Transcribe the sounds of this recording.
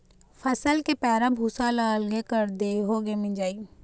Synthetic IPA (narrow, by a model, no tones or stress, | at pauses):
fʰəsəlkepɛːɾãbʱuːsalaːlɡekəɾd̪eːɦoːɡemĩd͡ʒaːiː